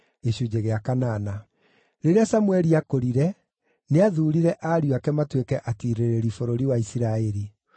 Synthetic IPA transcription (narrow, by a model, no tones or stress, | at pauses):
eɕud͡ʑeɣeakanaːna | ɾeɾeasamwɛɾiakoɾiɾɛ | neaðuːɾiɾɛʔaɾiuakɛmatwekɛʔatiɾeɾeɾifoɾoɾiwaisiɾaeɾi